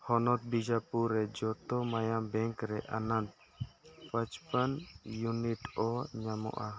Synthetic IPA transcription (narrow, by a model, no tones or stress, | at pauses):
hɔnɔt̪̚bid͡ʒapuɾːɛd͡ʒɔt̪ɔmajambɛŋkɾɛʔanant̪ | pət͡ʃpənjuniʈɔɲamɔ̰ʔa